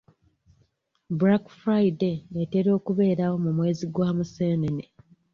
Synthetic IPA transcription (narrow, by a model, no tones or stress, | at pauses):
buɾakfɾajdeːte̞ɾo̞ːkuβe̞ːɾawo̞mumwe̞ːziɡwaːmuseːnene